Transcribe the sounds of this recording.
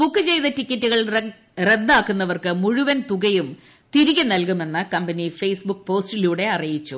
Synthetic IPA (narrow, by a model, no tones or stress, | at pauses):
bukːɨt͡ɕe̞jt̪ɐtikʲːɐtːuɣɐɭ | re̞d̪ːaːkːunːɐʋɐrkɨmuɻuʋɐnt̪uɣɐjum | t̪iɾiɣʲɐnɐlkume̞nːɨkɐmbɐnifejsbuk̚ːpo̞ːstiluːɽe̞ɐrijit͡ɕːu